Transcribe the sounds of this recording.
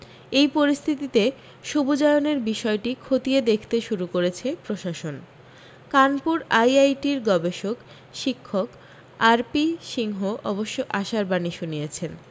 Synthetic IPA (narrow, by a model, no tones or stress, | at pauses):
ejpoɾist̪ʰit̪it̪e | ʃubud͡ʑaeoneɾbiʃɔeʈikʰot̪ied̪ekʰt̪eʃuɾukoɾet͡ɕʰepɾoʃaʃon | kanpuɾajajʈiɾɡɔbeʃok | ʃikʰːok | aɾpiʃiŋɦoʔɔboʃːoʔaʃaɾbaniʃunijet͡ɕʰen